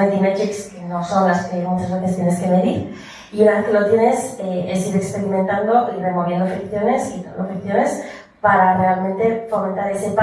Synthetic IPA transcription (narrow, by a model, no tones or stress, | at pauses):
ed̪imet̪ɾikskeno̞so̞nlaskemut͡ʃazβe̞θest̪jene̞ske̞me̞ðiɾ | iunaβeθkelo̞t̪je̞neseesiɾekspe̞ɾiment̪and̪o̞ʔire̞mo̞βje̞nd̪ofikθjo̞ne̞skit̪a̰nd̪ofikθjo̞ne̞s | paɾare̞almẽnt̪e̞fo̞ment̪aɾe̞se̞pa